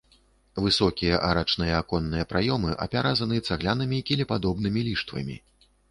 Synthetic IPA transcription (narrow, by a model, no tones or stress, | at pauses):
vɨsɔkʲijɐʔaɾat͡ʂnɨjɐakɔnːɨjɐpɾʔajɔmɨʔɐ̰pʲaɾʔazɐnɨɐt̪saɣlʲanɐmʲikʲɛlʲɛpad̪ɔbn̪ɨmʲilʲiʂt̪vɐ̰mʲḭ